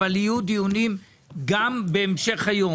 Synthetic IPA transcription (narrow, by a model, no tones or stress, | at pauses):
alijud̪ijunim | ɡambeːmʃeχhajo